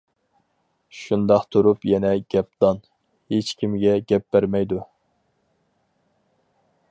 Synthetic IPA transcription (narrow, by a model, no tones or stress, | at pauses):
ʃund̪ɑqt̪ʰuɾupjɛnɛɡʲɛp̚d̪̥ɑn | het͡ʃkʲʰimɡʲɛɡʲɛp̚b̥æɾmɛjd̪u